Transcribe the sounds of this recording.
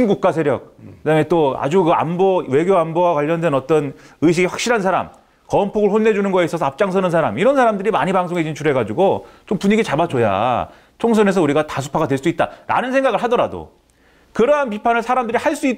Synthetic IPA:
nɡuk̚k͈asʰeɾjʌ̰k̚kɯdamet͈oa̰d͡ʑukɯa̰mbʌwe̞ɡjoambʌwakwaʎːʌndwe̞nʌt͈ʌnɯɕ̬ʰiɡeɸwḁk̚ɕ͈iɾɦans̬ʰaɾa̰m | kʌmpʰoɡɯɭɸonːe̞d͡ʑunɯnɡʌeis͈ʌs̬ʰʌap̚t͡ɕ͈aŋsʰʌnɯnsʰaɾamiɾʌnsʰaɾamdɯɾima̰ɲipaŋsʰoŋɦe̞d͡ʑint͡ɕʰuɾe̞ɡad͡ʑuɡot͡ɕompuɲiɡit͡ɕabat͡ɕ͈oja̰ | t͡ɕʰoŋs̬ʰʌne̞sʰʌuɾiɡatasʰu̥pʰaɡadwe̞ɭs͈uit̚t͈aɾa̰nɯnsʰe̞ŋɡaɡɯɭɦadʌɾado̰ | kɯɾʌɦanpipʰanɯɭsʰaɾamdɯɾihaɭs͈ui

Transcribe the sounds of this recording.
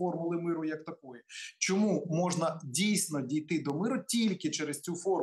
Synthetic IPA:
fɔrmʊlˠɪmɪɾʊjɐkt̪ɐkɔjɛt͡ʃɔmumɔʒnɐdʲijsʲnɔdʲijt̪ɪd̪ɔmɪɾʊtʲilʲkɪt͡ʃɛɾest͡sʲufɔr

